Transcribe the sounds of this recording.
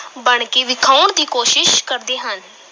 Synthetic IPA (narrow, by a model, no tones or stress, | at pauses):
bəɳ̃keːʋɪkʰaʊɳd̪iːkoːʃɪʃkəɾd̪eːɦən